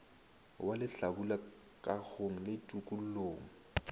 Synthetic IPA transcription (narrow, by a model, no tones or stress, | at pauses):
walɪɬabula | kʼaɣʰoŋ̩lɪtʼukʼul̩loːŋ̩